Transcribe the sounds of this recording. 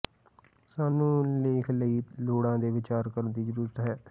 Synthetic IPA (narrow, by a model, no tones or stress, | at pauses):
saːnũːleːkʰləiːloːɽãːd̪eːʋɪt͡ʃaːɾkəɾənd̪iːd͡ʒəɾuɾət̪ɦɛː